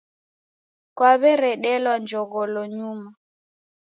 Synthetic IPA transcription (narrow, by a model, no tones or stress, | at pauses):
kwaβɛɾɛɗɛlwand͡ʒɔɣɔlɔɲuma